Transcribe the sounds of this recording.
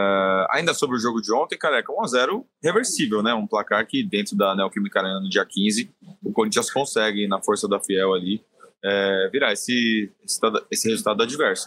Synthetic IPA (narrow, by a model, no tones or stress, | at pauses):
ɛa̰ĩnd̪ɐsobɾɪʊʒoɡʊd͡ʒɪõt̪ẽj̃kaɾɛkɐũazɛɾʊ | heveɾsivewnɛũplakaɾkɪd̪ẽnt̪ɾʊd̪ɐnɛwkimikaɾẽnɐnʊd͡ʒiɐkĩzɪʊkoɾĩt͡ʃiɐskõsɛɡɪ̃nɐfoɾsɐd̪ɐfiɛwali | ɛviɾaesɪesɪ̥t̪ad̪esɪhezult̪ad̪ʊd̪ɐd͡ʒivɛɾsɐ̥